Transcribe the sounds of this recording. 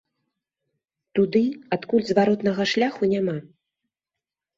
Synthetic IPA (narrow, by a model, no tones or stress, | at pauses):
t̪ud̪ɨat̪kulʲzvaɾɔt̪nɐɣɐʂlʲaxunʲama